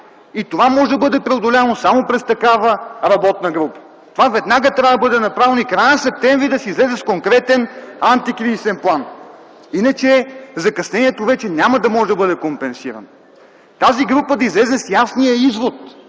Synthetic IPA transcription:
it̪ovamɔʒɛd̪bɤd̪ɛpɾɛod̪olʲavənosamopɾɛst̪ɐkavəɾɐbɔt̪̚nɐɡɾupə̥ | t̪ovavɛd̪naɡət̪ɾavd̪ɐbɤd̪ɛnɐpɾavɛnoikɾajnɐsɛp̚t̪ɛmvɾid̪ɐsizlɛzɛskoŋkɾɛt̪ɛnant̪ikɾizisɛnplˠan | inət͡ʃɛzɐkɐsnɛniɛt̪ovɛt͡ʃɛnʲamɐd̪ɐmɔʒɛd̪ɐbɤd̪ɛkompɛnsiɾɐ̰no | t̪aziɡɾupəd̪ɐizlɛzɛsjasnijəizvot̪

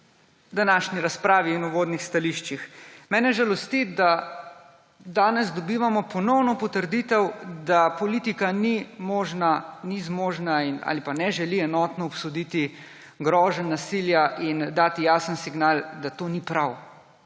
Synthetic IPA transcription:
d̪anaːʃniɾaspɾaːʋiːnuʋoːd̪nixst̪aliʃt͡ʃixmɛːnɛʒalɔst̪id̪a | d̪aːnɛzd̪ɔbiːʋamɔpɔnɔwnɔpɔt̪əɾd̪iːt̪ɛwd̪apɔliːt̪ikanimoːʒnanizmoːʒnaina̰ːlipanɛʒɛliɛnɔːt̪nɔɔpsɔd̪iːt̪i | ɡɾɔːʒənːasiljaʔind̪aːt̪ijaːsənsiɡnaːld̪at̪onipɾaw

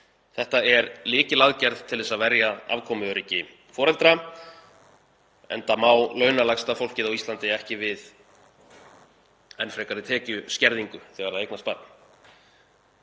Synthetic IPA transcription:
θɛht̪aɛɾlɪːcɪlaðcɛɾðt̪ʰːɪlðɛsaðvɛɾjaa̰vkʰɔːmʏœɾicɪ | fɔːɾɛlt̪ɾa | ɛ̰nt̪amaːwlœːɥnalakst̪afowl̥cɪðawist̪lant̪ɪɛhcɪvɪð | ɛnfɾɛːkaɾɪt̪ʰɛːcʏscɛɾðiŋkʏθɛɣaɾðaðejknaspat̪̚n̥

